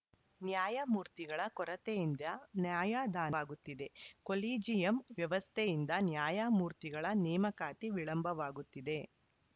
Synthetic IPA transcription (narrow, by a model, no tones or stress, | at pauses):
njaːjamuːɾt̪iɡɐɭɐkɔɾɐt̪ejind̪ɐnjaːjaːd̪aːaːɡut̪ːid̪e̞koliːd͡ʒijɐmʋjɐʋɐst̪ʰejind̪ɐnjaːjamuːɾt̪iɡɐɭɐnɛːmɐkaːt̪iʋiɭɐmbʱɐʋaːɡut̪ːid̪e̞